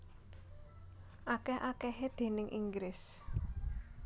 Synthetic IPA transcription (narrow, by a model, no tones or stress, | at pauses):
ʔakɛhʔakɛɦed̪̥e̤nɪŋʔiŋɡɾɪs